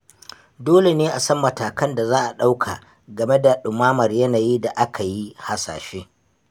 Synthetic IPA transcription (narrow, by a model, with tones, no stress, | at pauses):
doː˦le˨neː˦ʔa˨sɐ˦mːɐ˨taː˨kɐ˦nda˨zaː˦ʔa˨ɗa˦wkʰa̰˨ | ɡɐ˨me˦da˨ɗʊ˨maː˦mɐ˨rjɐ˦naː˨jiː˦da˨ʔa˦kʰa˨ji˦ha˨sa̰ː˨ʃeː˦